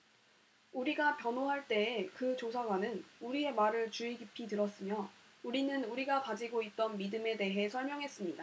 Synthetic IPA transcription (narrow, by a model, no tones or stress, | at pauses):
uɾiɡapjʌnoɦaɭt͈e̞ːkɯt͡ɕosʰaɡwanɯnuɾie̞maɾɯɭt͡ɕuiɡipʰitɯɾʌs͈ɯmjʌ | uɾinɯnuɾiɡapad͡ʑiɡoit̚t͈ʌnmidɯme̞de̞ɦe̞sʰʌɭmjʌŋɦe̞s͈ɯmɲida